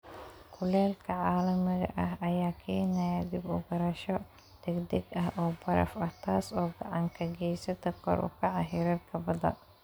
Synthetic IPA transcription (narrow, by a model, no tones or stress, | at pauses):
kʰʊlɛːlkʰɐʕaːlɐmɪɣɐ̰ʔɐɦɐjaːkʰɛːnɐjɐd̪ɪbʊɣɐɾɐʃɔ | d̪̥ɛɡd̪ɛɡɐɦʔɔːbɐɾɐ̰fɐht̪ʰaːsɔːɡɑʕɑŋkʰɐɡɛjsɐt̪ʰɐkʰɔ̰ɾʔʊ̰kʰɐʕɑɦɪɾɐdkʰɐbɐðɐ̰